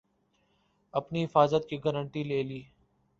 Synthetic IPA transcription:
ɐpniɦɪfaːzət̪̚kiːɡəɾəɳʈiːleːliː

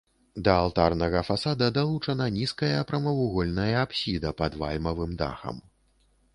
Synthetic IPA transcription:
d̪ɐalˠt̪arnɐɣɐfasad̪ɐd̪alˠut͡ʂɐnɐnʲiskɐjɐpɾɐmɐvuɣɔlʲnɐjɐːpsʲid̪ɐpɐd̪va̰lʲmɐvɨmd̪a̰xɐ̰m

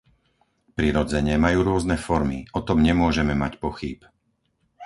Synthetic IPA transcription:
pɾiɾɔd͡zɛɲɛmajuːɾʊɔznɛfɔɾmḭɔt̪ɔmɲɛmʊɔʒɛmɛmacpɔxip

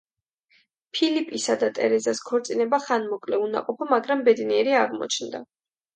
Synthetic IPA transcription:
pʰilipʼisad̪at̪ʼɛɾɛzaskʰɔɾt̪sʼinɛbaχanmɔkʼlɛuna̰qʼɔpʰɔmaɡɾambɛd̪niɛɾiaʁmɔ̰t͡ʃʰnd̪a̰

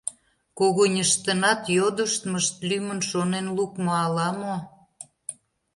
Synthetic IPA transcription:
koɣonʲəʃt̪ənɑt̪jod̪əʃt̪məʃt̪lymənʃonenlukmoɑlɑmo

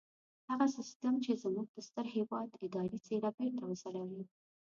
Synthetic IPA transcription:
haɣasɪst̪əmt͡ʃezmuɡ̚p̪əst̪əɾhewɑd̪ɪd̪ɑɾit͡selabeɾt̪awəsaɽawi

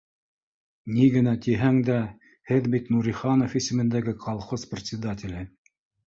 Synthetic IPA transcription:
niɡɘ̆næt̪iɦæŋd̪æ | hɘðbit̪nuɾʲiχɑnofisɘ̆mɘ̆nd̪æɡɘqʰɑlˠχosprʲɪt̪ʲsʲɪd̪at̪ʲɪ̆lʲɘ

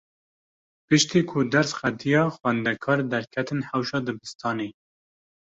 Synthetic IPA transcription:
pɨʃt̪iːkʰʊd̪æɾsxæd̪ijɑːxwɛnd̪ɛkʰɑːɾd̪ɛɾkʰɛt̪ɨnhæwʃɑːd̪ɨbɨst̪ʰɑːneː

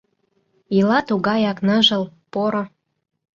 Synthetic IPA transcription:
ilɑt̪uɣɑjɑknə̆ʒə̆lpoɾo

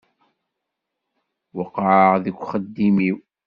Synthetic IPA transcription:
wɑqɑʕðəkʷːχəd̪ːimiw

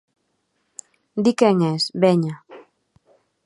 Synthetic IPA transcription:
d̪ikeŋesbeɲa

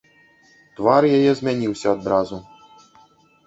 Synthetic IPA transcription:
t̪varjajɛzʲmʲanʲiwsʲɐːd̪ɾazu

